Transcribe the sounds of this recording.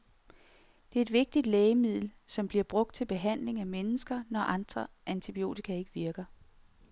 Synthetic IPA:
d̥e̝ɐe̝dʋe̝ɡ̥̚d̥id̥lɛːɪəmið̞̰ˠl̩sɒ̽mb̥liɐb̥ʁɔ̽ɡ̥̚d̥̚t͡sʰe̝lb̥e̝ɦæn̰le̝ŋæmenəsɡ̥ɐnɒʔɑ̈nd̥ʁɐʔænt͡sʰib̥io̝̰ːt͡sʰikʰæe̝ɡ̥əʋiɐɡ̥ɐ

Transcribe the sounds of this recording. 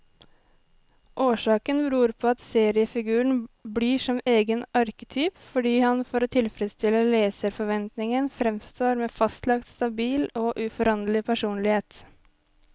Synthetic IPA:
ʔoːʂɑːkənbɾʉːɾpʰoːɑt̪seːɾɪəfɪɡʉːəɳbliːʂɔmeːɡənʔɑɾkə̥t̪ʰyːpfɔɖiːhɑnfɔɾoːt̪ʰɪlfɾɛst̪ɪləleːsəɾfɔɾʋɛnt̪nɪŋənfɾɛmst̪oːɾmeːfɑst̪lɑkt̪st̪ɑbiːloːʔʉfɔɾɑnlɪpʰæʂuːnlɪheːt̪

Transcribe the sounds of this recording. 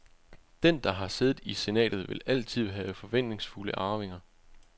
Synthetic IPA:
d̥end̥ɑ̈ɦɑ̈se̝ːðð̩ˠise̝nɛ̰ːd̥ð̩ˠʋe̝læl̰t͡sʰið̞̰ˠɦɛːʊfɒ̽ʋen̰d̥ne̝ŋsfuləʔɑ̈ːʋe̝ŋɐ

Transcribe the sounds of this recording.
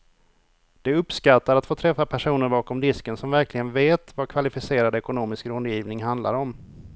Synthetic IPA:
d̪̥ɛɵpskat̪ːaɾat̪foːt̪ʰɾɛfːapʰæʂuːnəɾbɑːkɔmd̪ɪskənsɔmvæɾklɪɡənveːt̪vakʰvalɪfɪseːɾad̪ɛkʊnoːmɪskɾɵnd̪jiːvnɪŋɦand̪la̰ɾɔm

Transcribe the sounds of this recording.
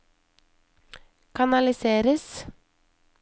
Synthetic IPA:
kʰɑnɑlɪseːɾəs

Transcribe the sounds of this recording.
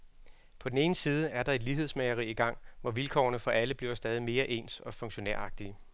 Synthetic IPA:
pʰɒ̽d̥ene̝ːnəsiːð̞ˠəæɐd̥ɑ̈ed̥liɦesmeɪɐʁiiɡ̥ɑ̈ŋ̰ʋɒʋilkʰɒ̰ːnəfɒ̽ʔæləb̥liɐsd̥ɛːð̞ˠime̝ːɐʔe̝̰ːnsɒ̽fɔ̽ŋɕo̝neɐ̰ɑ̈ɡ̥̚d̥iə

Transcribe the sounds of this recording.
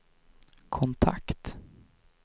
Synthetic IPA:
kʰɔnt̪ʰa̰kt̪

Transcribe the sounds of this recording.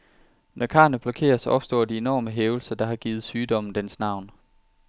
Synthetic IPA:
nʔɒkʰɑ̰̈nəb̥lɒ̽kʰe̝̰ːɐsɒ̽b̥sd̥ɒ̰ːd̥ie̝nɒ̰ːməɦeːʊl̩sɐd̥ɑ̈ɦɑ̈ɡ̥iːð̩ˠsyːd̥ɒ̽mn̩d̥ensnɑ̈ʊ̰n

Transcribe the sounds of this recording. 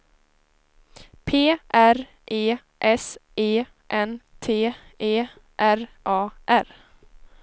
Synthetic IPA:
pʰeːʔæɾ | ʔeː | ʔɛseː | ʔɛnt̪ʰeːeː | ʔæɾʔɑːʔæɾ

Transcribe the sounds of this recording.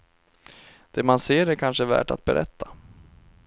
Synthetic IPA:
d̪̥ɛːmanseːɾɛɾkʰanʂəvæ̰ːʈa̰t̪̚bɛɾʔɛ̰t̪ʰːa

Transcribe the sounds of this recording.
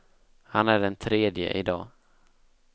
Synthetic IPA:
hanæɖɛnt̪ʰɾeːd̪jə̰ʔɪd̪ɑː

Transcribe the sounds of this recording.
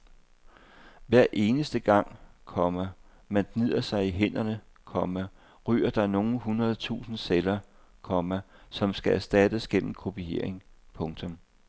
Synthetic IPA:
ʋæɐ̰ʔe̝ːnəsd̥əɡ̥ɑ̈ŋ̰kʰɒ̽mɐ | mænd̥nið̞̰ˠɐsɑ̈ɪiɦen̰ɐnə | kʰɒ̽mæ | ʁy̰ːɐd̥ɑ̈no̝ːn̩ɦunʁɐð̞̩ˠt͡sʰṵːsn̩selɐ | kʰɒ̽mæsɒ̽msɡ̥ææɐsd̥æd̥əsɡ̥en̰m̩kʰo̝pʰie̝ɐ̰e̝ŋpʰɔ̽ŋt͡sʰɔ̽m

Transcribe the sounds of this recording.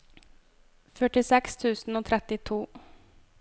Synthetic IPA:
fœʈɪsɛkst̪ʰʉ̟ːsnoːt̪ʰɾɛt̪ːɪt̪ʰuː

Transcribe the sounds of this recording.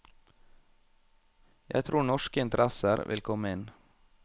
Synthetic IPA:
jæ̰t̪ʰɾuːɳɔʃkəɪnt̪əɾɛsəɾʋʔɪ̰lkʰɔməɪn

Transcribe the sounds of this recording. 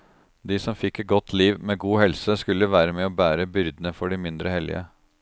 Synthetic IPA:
d̪isɔmfɪkːɛɡɔt̪ʰːliːʋmeːɡuːhɛlsəskʉlːəʋæːɾəmeːoːbæːɾəbʏɾd̪ənəfɔɖɪmɪnd̪ɾəhɛlɪ̰ə̰

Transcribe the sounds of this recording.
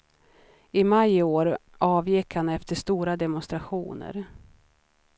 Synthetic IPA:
ɪmajoːɾɑːvjɪkhanɛft̪əʂt̪uːɾad̪ɛmʊnst̪ɾaɧuːnə̰ɾ

